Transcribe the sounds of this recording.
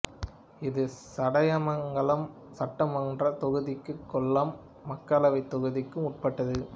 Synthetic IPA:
ɪðɯsɐɽɐjɐmɐŋɡɐɭɐm | sɐʈːɐmɔndrɐt̪ɔɣɯðɪkːɯkːɔɭːɐmː | ɐkːɐlɐʋɐɪt̪ːɔɣɯðɪkːɯmʊʈ̚pɐʈːɐðɯ

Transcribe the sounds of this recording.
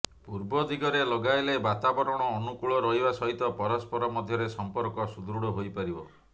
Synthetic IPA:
puɾbɔd̪iɡɔɾelɔɡajlebat̪abɔɾɔɽ̃ɔːnukuɭɔɾɔɦibasɔɦit̪ɔpɔɾɔspɔɾɔmɔd̪ʱjɔɾesɔmpɔɾkɔsud̪ɾuɽɔɦojpaɾibɔ

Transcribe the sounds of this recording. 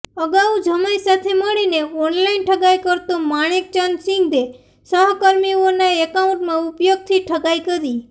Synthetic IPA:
əɡaũd͡ʒʱəmajsat̪ʰeməɭineɔnlainʈʰəɡajkəɾt̪õmaɽ̃ek̚t͡ʃansĩŋɡd̪e | səɦkəɾmionaekaũɳʈmãupjoɡ̚t̪ʰiʈʰəɡajkəɾi

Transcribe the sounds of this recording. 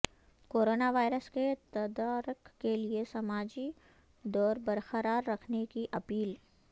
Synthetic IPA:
koːɾoːnaʋaːɪɾəsket̪ɐd̪aːɾəkːeliesɐmaːd͡ʒi | d̪ɔːɾbɐɾxəɾaːɾːɐkʰnekiʔɐpiːl

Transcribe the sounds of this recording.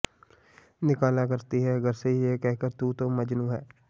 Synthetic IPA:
nɪkaːlaːkəɾt̪iːɦɛːəɡəɾseiːeːkɛɦkəɾt̪uːt̪õːməd͡ʒnũːɦɛː

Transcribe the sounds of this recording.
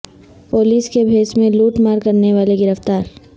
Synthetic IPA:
poːliːskebʱeːsmẽluːʈmaːɾkɐɾneʋaːleɡɪɾəft̪aːɾ

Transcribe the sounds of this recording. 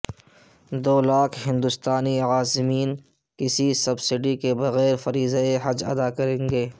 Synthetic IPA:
d̪oːlaːkʰɦɪ̃nd̪ʊst̪aːniaːzmiːn | kɪsisɐbsɪɖikebɐɣɛːɾfɐɾiːzeeɦɐd͡ʒɐ̰d̪akɐɾẽːŋɡeː

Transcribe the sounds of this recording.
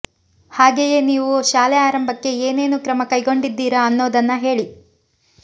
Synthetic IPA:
haːɡeje̞niːʋuʃaːlɛaːɾɐmbʱɐkːe̞eːne̞ːnukɾɐmɐkɐjɡo̞ɳɖid̪ːiːɾɐːnːoːd̪ɐnːɐɦe̞ːɭi

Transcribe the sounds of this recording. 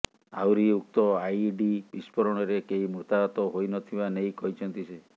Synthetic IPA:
awɾiuk̚t̪ɔajɖibispɔɾɔɽ̃ɔɾekeimɾut̪aɔt̪ɔɦojnɔt̪ʰibanejkɔɦit͡ʃʰɔnt̪ise

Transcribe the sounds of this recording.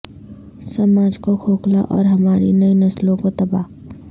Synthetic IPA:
səmaːd͡ʒkokʰoːklaʔɔːɾɦɐmaːɾḭnəinəslõkot̪ɐbaː

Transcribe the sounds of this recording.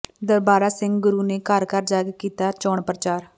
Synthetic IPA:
d̪əɾbaːɾaːsɪ̃ŋɡɡʊɾuːneːkəɾkəɾd͡ʒaːɡkiːt̪aːt͡ʃɔːɳpɾət͡ʃaːɾ

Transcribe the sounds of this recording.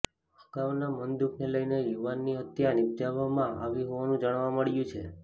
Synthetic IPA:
əkaʋnamənd̪ukneləjnejuʋanːiət̪janɪb̚d͡ʒaʋamãʔa̰ʋiɦoʋanũd͡ʒaɽ̃ʋaməɭjũt͡ʃʰe

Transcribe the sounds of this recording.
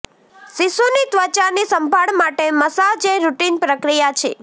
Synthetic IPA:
sisonit̪ʋət͡ʃanisəmbʱaɭmaʈeməsad͡ʒeɾuʈinpɾəkɾijat͡ʃʰḛ

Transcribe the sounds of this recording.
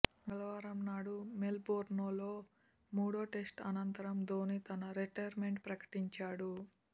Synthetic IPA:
ɡɐlɐʋaːɾɐmnaːɽumelboːɾnoːloː | muːɽoːʈe̞sʈɐ̰nɐnt̪ɐɾɐmd̪o̞ːnit̪ɐnɐɾeʈɐjɐɾmeɳʈpɾɐkɐ̥ʈiɲt͡ʃaːɽu

